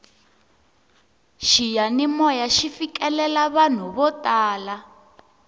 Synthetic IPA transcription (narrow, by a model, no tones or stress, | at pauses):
ʃijanimɔjaʃifikɛlɛlaβan̤uβɔtaːla